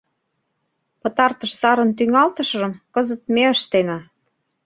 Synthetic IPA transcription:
pə̆t̪ɑrt̪əʃsɑɾə̆nt̪yŋɑlt̪ə̆ʃʒə̆mkəzə̆t̪̚meəʃt̪enɑ

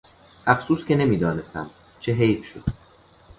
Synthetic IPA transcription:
ʔæfsuːscʰʲe̞ne̞miːd̪ɒːne̞st̪æ̰m | t͡ʃʰeɦejfʃo̰d̪

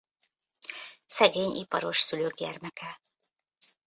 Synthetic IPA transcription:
sɛɡeːɲḭpɒ̰ɾo̞ʃsyløːɡɟɛrmɛkɛ

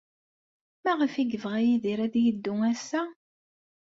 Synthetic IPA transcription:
mæʁəfiɡəvʁæjiðiɾæðjəd̪ːʊŋæsːæ

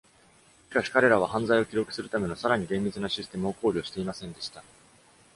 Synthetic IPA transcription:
ɕi̥kaɕi̥kaɾe̞ɾaβ̞ahãnzaio̞kʲiɾo̞kɯ̟̥sɨɾɯ̟t̪ame̞no̞saɾaɲ̟iɡẽ̞mʲːit͡sɨnaɕisɨ̥t̪e̞mɯo̞ko̞ːɾʲo̞ːɕi̥t̪e̞imasẽ̞nd̪e̞ɕi̥t̪a

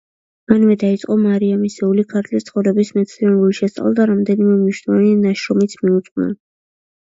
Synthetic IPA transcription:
manvɛd̪ait̪sʼqʼɔmaɾiamisɛulikʰaɾt̪ʰʼlist̪sχɔvɾɛbismɛt̪sʰɾiɛnɾuliʃɛst̪sʼa̰lˠad̪aɾamd̪ɛnimɛmniʃwnɔvanianaʃɾɔmit̪sʰmiut̪sʼnɛ̰n

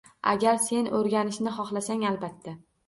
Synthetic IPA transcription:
a̰ɡʲaɾse̞nɵɾɡʲanɪʃnɪχɒχlasaŋalbat̪ʰːa

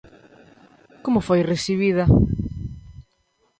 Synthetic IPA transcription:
komʊfojresiβ̞iðɐ

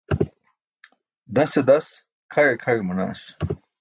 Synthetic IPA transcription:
d̪ɐsed̪ɐs | kʰɐɻekʰɐɻemɐna̰ːs

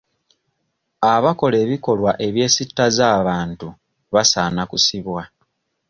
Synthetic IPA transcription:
aβako̞le̞ːβiko̞lwaʔe̞βje̞ːsitːazaːβaːntu | βasaːnakusiβwa

